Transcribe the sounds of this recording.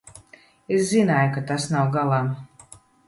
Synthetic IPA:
eszinajukat̪asnawɡalˠam

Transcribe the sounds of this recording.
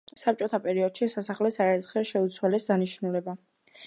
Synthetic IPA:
sap̚t͡ʃʼɔt̪ʰapʼɛɾiɔd̪̥ʃisasaχlɛsaɛɾt̪χɛʃɛut̪sʰwalɛsd̪aniʃnulɛba

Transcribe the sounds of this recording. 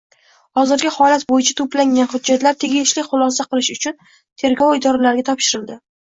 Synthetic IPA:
hɒzɪɾɡʲɪhɒlat̪bojɪt͡ʃʰḁt̪ʰoplaŋɡʲanhʊdd͡ʒːat̪laɾt̪ʰe̞ɡʲɪʃlɪχʊlˠɒsaqɨlˠɪʃʊt͡ʃʰʊn | t̪ʰe̞ɾɡɒwɪd̪ɒɾalaɾɡʲat̪ʰɒpʃɪɾɪld̪ɪ

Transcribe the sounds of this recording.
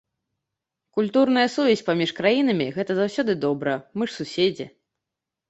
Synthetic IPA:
kulʲt̪urnɐjɐsuvʲɛsʲpamʲiʂkɾajinɐmʲiɣɛt̪ɐzawsʲɔd̪ɨd̪ɔbɾɐmɨʂsusʲed͡zʲi

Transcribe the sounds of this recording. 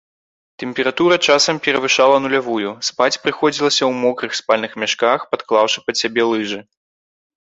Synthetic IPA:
t̪ɛmʲpʲɛɾat̪uɾɐt͡ʂasɐmpʲɛɾɐvɨʂalˠɐnulʲavujuspat͡sʲpɾɨxɔd͡zʲilˠɐsʲɐwmɔkɾɨxspalʲnɨxmʲaʂkaxpat̪klˠawʂɨ̥pɐsʲabʲɛlˠɨʐɨ

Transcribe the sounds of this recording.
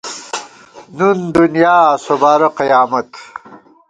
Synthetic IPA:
nund̪unjaːsobaːɾɐqijaːmɐt̪

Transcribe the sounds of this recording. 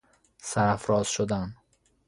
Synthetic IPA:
sæɾæfɾɒːz̥ʃod̪æn

